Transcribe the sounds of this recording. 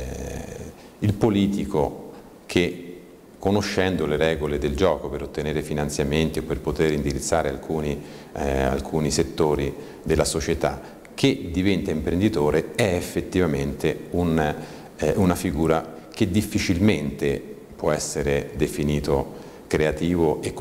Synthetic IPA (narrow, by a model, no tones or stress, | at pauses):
ilpoliːt̪iko | k̟ʰe | kːonoʃːɛnd̪oleɾɛːɡoled̪eld͡ʒɔːkopeɾot̪ːeneːɾefinant̪sjament̪iopːerpot̪eɾind̪iɾit̪sːaːɾea̰lkʰuːni | a̰lkʰuːniset̪ːoːɾi | d̪elːasot͡ʃet̪a | k̟ʰːed̪ivɛnt̪aimpɾend̪it̪oːɾeɛefːet̪ːivament̪eun | unafiɡuːɾa | k̟ed̪ifːit͡ʃilment̪e | pwɔɛsːeɾed̪efiniːt̪o | kɾeat̪iːvoʔek